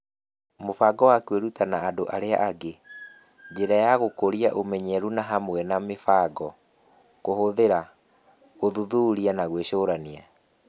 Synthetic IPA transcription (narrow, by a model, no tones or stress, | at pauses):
mofaɡɔwakweɾutanaːdoʔaɾea̰ʔaɡe | d͡ʑeɾajaɣokoɾiaʔomɛɲɛɾunaɦamwɛnamefaɡɔ | kohoðeɾa | oðuðuɾianaɣweʃoːɾania